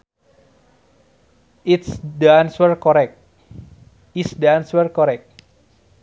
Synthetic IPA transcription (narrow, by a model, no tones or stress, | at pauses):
itsdanswərkɔɾɛk̚ | isdanswərkɔɾɛk̚t̚